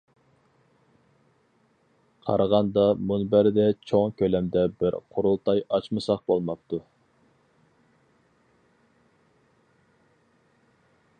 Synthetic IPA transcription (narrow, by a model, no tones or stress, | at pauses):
qʰɑ̰ɾəʁɑnd̪ɑmunbæɾɪd̪ɛt͡ʃʰoŋkʲʰølɛmd̪ɛbɪɾqʰʊɾulˠt̪ʰɑjɑt͡ʃmɨsɑq̚bolˠmɑp̚t̪ʰu